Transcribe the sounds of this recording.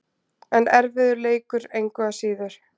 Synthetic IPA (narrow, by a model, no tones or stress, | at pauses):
ɛnɛɾvɪðʏɾleːjkʏɾejŋkvɛasiːðʏɾ̥